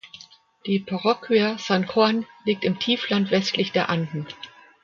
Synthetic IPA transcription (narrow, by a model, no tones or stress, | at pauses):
d̥iːpʰaʁɔkʰviɐsankanliːk̚tɪmtʰiːflantv̥ɛstlɪçd̥eːɐʔantn̩